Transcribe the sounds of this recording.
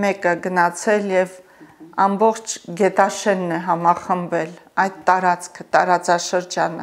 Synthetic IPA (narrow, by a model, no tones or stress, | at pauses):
mɛkəɡənɑt͡sʰɛljɛv | ɑmbɔχt͡ʃʰɡɛt̪ɑʃɛnːɛɦɑmɑχəmbɛlɑjd̪t̪ɑɾɑt͡skʰət̪ɑɾɑt͡sɑʃəɾd͡ʒɑnə̰